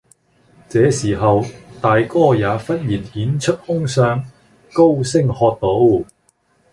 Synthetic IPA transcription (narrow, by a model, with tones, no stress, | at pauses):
t͡sɛː˨˥siː˨˩ɦɐ˨wt̪aː˨jkɔː˥jaː˨˥fɐ˥n̚jiː˨˩nhiː˨˥nt͡ʃʰɵ˥t̚hʊ˥ŋsœː˧ŋ | ko˥wsɪ˥ŋhɔː˧t̚t̪o˨˥w